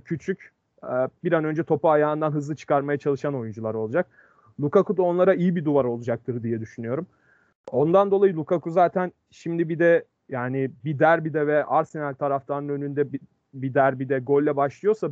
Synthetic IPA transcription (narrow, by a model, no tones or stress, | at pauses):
cʰyt͡ʃʰyc | ɛbiɾanø̞nd͡ʒɛt̪ʰo̞paːjaːɯnd̪anɦɯzlˠɯt͡ʃʰɯ̥kaɾmajat͡ʃʰalˠɯʃano̞jund͡ʒulˠaɾo̞lˠud͡ʒak̚ | lˠukakud̪o̞nlˠaɾaijibid̪uvaɾo̞lˠud͡ʒak̚t̪ʰɯɾd̪ijɛd̪yʃynyjo̞ɾum | o̞nd̪and̪o̞lˠajɯlˠukʰakʰuzaːt̪ʰæn | ʃimd̪ibid̪ɛ | jaːnibid̪æɾbid̪ɛvɛʔaɾsinælʲt̪ʰaɾaft̪ʰanɯnø̞nynd̪ɛ | bid̪æɾbid̪ɛɡo̞lʲːɛbaʃlˠɯjo̞sa